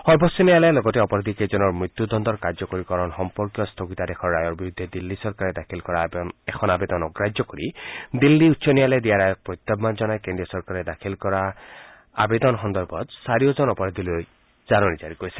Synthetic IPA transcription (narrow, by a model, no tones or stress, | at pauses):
xɔɾbɔsɔnijalajlɔɡɔteɔpɔɾad̪ʱiked͡ʒɔnɔɾmɹit̪ːjud̪ɔnd̪ɔɾkaɾd͡ʒɔkoɾikɔɾɔnxɔmpɔɾkjɔst̪ʰoɡit̪ad̪ekʰɔɾːajɔɾbiɾud̪ʱːed̪ilːisɔɾkaɾed̪akʰilkɔɾanekʰɔnabed̪ɔnɔɡɾad͡ʒɔkoɾid̪ilːiutːsʰɔnijaled̪ijaɾajɔk̚pɾɔjt̪ːɔbmand͡ʒɔnajkendijɔsɔɾkaɾed̪akʰilkɔɾa | a̰bed̪ɔnɦɔnd̪ɔɾbʱɔt̪saɾijod͡ʒɔnɔpɔɾad̪ʱiloj | zanɔnid͡ʒaɾikoɾisi̥